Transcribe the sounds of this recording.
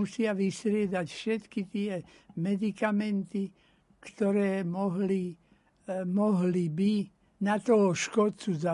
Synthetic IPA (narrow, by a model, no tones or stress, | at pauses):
usɪaʋist̪ɾɪɛd̪acfʃɛt̪kit̪ɪɛ | mɛd̪ikamɛnt̪i | kt̪ɔɾɛːmɔɦli | mɔɦlibi | nat̪ɔɦɔʃkɔt͡suza